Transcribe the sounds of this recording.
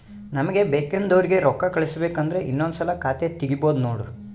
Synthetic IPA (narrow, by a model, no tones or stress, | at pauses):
nɐmɐɡe̞beːkend̪ɐʋɐɾiɡe̞ɾɔkːɐkɐɭisɐbeːkɐnd̪ɐɾe̞ʔinːond̪usɐlɐkaːt̪et̪iɡibo̞ːd̪unoːɽu